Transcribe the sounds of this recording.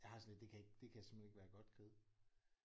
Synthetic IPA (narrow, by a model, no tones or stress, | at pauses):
jɑ̈hɑ̈sɔnled̥d̥e̝kʰæe̝ɡ̥d̥e̝kʰæjsemhene̝ɡ̥ʋæːɐɡ̥ɒ̽d̥ɡ̥ʰeð̩ˠ